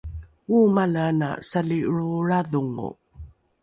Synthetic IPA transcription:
umalana̰saliɭuɭaðuŋṵ

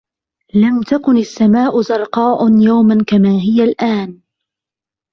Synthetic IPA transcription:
lamt̪akʊnasːamaːʔʊzɑɾˤqɑːʔʊnjawmankamaːɦɪjalʔaːn

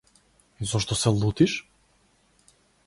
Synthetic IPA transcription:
izɔʃt̪ɔsɛlˠut̪iʃ

